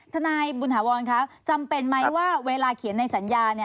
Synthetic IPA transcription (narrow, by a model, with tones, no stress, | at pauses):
t̪ʰa˧naː˧jbuː˧nɦaː˩˦wɔː˧nkʰa˦˥p̚t͡ɕa˧mpe˧nma˦˥jwaː˥˩weː˧laː˧kʰi˨˩˦nːa˧jsa˩˦njaː˧ni˥˩ɐ